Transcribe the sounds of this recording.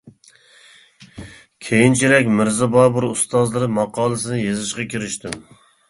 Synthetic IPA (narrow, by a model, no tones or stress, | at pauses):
kʲʰejint͡ʃʰiɾɛkʲmɪɾzɪbɑːbuɾust̪ɑzlˠɨɾɨmɑqɑːlˠɨsɨnɨjezɨʃqɑkʲʰiɾɪʃt̪ɪm